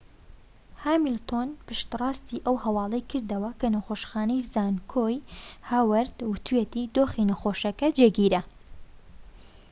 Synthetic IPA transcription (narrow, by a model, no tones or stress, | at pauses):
haːmilt̪onpɨʃt̪rˤɑːst̪iːʔɐwhɐwɑːlˠɐjkʰɨɾd̪ɐwɐkʰɐnɐxoːʃxɑːnɐjzaːnkʰoːjhawɐɾd̪wɨt̪ʰuwet̪id̪oːxinɐxoːʃɐkɐd͡ʒeːɡiːɾɐ